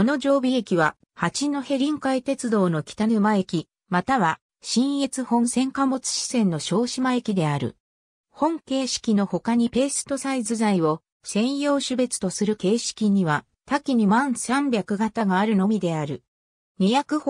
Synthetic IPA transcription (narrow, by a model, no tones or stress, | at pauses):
ono̞ʑo̞ːbʲiekʲiβ̞a | hat͡ɕino̞he̞ɾʲĩŋkait̪e̞t͡sɨd̪o̞ːno̞kʲi̥t̪anɯ̟mae̞kʲi | mat̪aβa | ɕĩɰ̃e̞t͡sɨhõ̞ɰ̃sẽ̞ŋkamo̞t͡sɨ̥ɕi̥sẽ̞nːo̞ɕo̞ːɕimae̞kʲid̪e̞aɾɯ̟̰ | hõ̞ŋke̞ːɕi̥kʲino̞ho̞kaɲ̟ipe̞ːsɨ̥t̪o̞saizɨzaio̞ | sẽ̞ɰ̃jo̞ːɕɨbe̞t͡sɨ̥t̪o̞sɨɾɯ̟ke̞ːɕi̥kʲiɲ̟iβa | t̪akʲiɲ̟imãɰ̃sãmbʲakɯ̟ɡat̪aɡaːɾɯ̟no̞mʲid̪e̞aɾɯ̟ | ɲ̟ijakɯ̟